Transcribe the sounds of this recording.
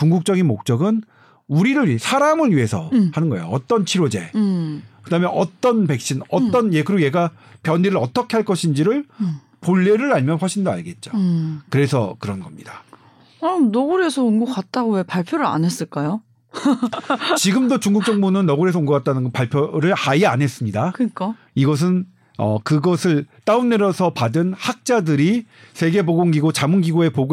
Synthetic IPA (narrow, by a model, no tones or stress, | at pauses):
kuŋɡuk̚t͡ɕ͈ʌɡinmok̚t͡ɕ͈ʌɡɯn | uɾiɾɯɭɥisʰaɾamɯɭɥiɦe̞sʰʌhanɯnɡʌejoʌt͈ʌnt͡ɕʰiɾod͡ʑe̞̰ | kɯdaːmeʔʌt͈ʌnpe̞k̚ɕ͈ʰinʌtt͈ʌnjekɯɾiɡje̞ɡa | pjʌnːiɾɯɾʌt͈ʌkʰe̞ɦaɭk͈ʌɕʰind͡ʑiɾɯɭ | poɭːeɾɯɾaʎmjʌnɸwaɕʰindoa̰ɭɡe̞t̚t͡ɕ͈okɯɾe̞sʰʌkɯɾʌnɡʌmɲid̥a | ʌnʌɡɯɾesʰʌunɡok͈at̚t͈aɡowepaɭpʰjoɾɯɾa̰nes͈ɯɭk͈ajo | t͡ɕiɡɯmdot͡ɕuŋɡuk̚t͡ɕ͈ʌŋbunɯnːʌɡɯɾe̞s̬ʰʌuŋɡʌk͈at͈̚anɯnɡʌpaɭpʰjoɾɯɭaiane̞s͈ɯmɲidakɯk͈a | iɡʌs̬ʰɯn | ʌ̰kɯɡʌsʰɯɭt͈aunneɾʌsʰʌpadɯnhak̚t͡ɕ͈adɯɾi | sʰe̞ɡe̞poɡoŋɡiɡot͡ɕamunɡiɡoe̞poɡ